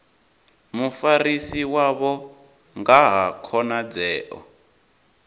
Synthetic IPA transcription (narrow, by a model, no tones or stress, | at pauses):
mufarisiwaβɔ | ŋɡaɦakʰɔnad͡zɛːʔɔ̰